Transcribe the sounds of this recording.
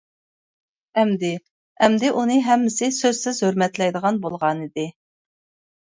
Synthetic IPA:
ɛmd̪ɪ | ɛmd̪ɪʔunɨɦɛmːɪsɪsøz̥sɪzhøɾmɛt̪lɛjd̪əʁɑnbolˠʁɑnid̪ɪ

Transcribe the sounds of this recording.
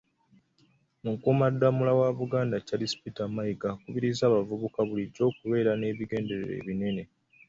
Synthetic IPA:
muŋkumadːamulawaβuɡaːndacalispitamajiɡakuβiɾizaːβavuβukaβuliɟo̞ːkuβe̞ːɾane̞ːβiɡe̞ːnde̞ɾeɾḛːβine̞ne̞

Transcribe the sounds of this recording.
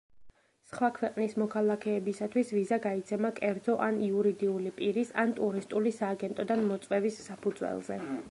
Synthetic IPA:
sχwakʰwɛqʼnismɔkʰalˠakʰɛːbisat̪ʰwisvizaɡait̪sʰɛmakʼɛɾt̪ɔʔaniuɾid̪iulipʼiɾisant̪ʼuɾist̪ʼulisaːɡɛnt̪ʼɔd̪anmɔt̪sʼwɛvisːapʰud̪zwɛ̰lˠzɛ

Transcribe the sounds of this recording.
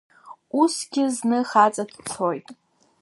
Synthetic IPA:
usɡʲɪznɨχat͡sʼadʈ͡ʂʰojtʼ

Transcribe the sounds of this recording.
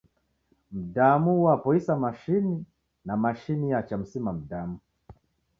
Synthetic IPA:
m̩damuwapɔisamaʃini | namaʃinijat͡ʃam̩simam̩damu

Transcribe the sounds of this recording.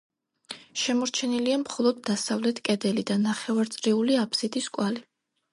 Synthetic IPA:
ʃɛmɔɾt͡ʃʰɛniliamχɔlˠɔd̪ːasavlɛt̪ʰkʼɛd̪ɛlid̪anaχɛvaɾt̪sʼɾiuliapʰsit̪ʼiskʼwali

